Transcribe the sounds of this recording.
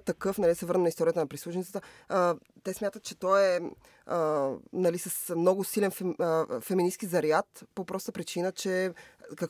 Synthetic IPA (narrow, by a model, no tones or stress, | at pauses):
t̪ɐkɤfnɐlisɛvɤɾnənɐist̪ɔɾijət̪ənɐpɾislˠuʃnit̪ət̪ə | t̪ɛsmʲjat̪ət̪t͡ʃɛt̪ɔɛ | nɐlisəsmnɔɡʊsilɛnffɛminiskizɐɾjat̪popɾɔst̪əpɾit͡ʃinət͡ʃɛkɐk